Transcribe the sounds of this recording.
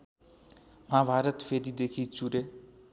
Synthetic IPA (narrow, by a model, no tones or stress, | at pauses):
mãbʱaɾʌt̪pʰeɾid̪ekʰit͡ʃuɾe